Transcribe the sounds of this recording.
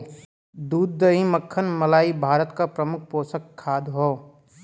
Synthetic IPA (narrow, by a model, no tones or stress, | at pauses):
d̪uːd̪ːəĩməkʰːənməlaːibʱaːɾət̪kapɾəmʊkʰpoːsəkʰːaːd̪ɦoː